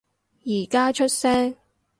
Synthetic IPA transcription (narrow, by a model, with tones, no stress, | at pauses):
jiː˨˩kaː˥t͡ʃʰɵ˥t̚sɛː˥ŋ